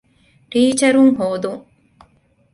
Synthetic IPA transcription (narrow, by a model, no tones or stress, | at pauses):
ʈiːt͡ʃɐɾuŋɦoːd̪uŋ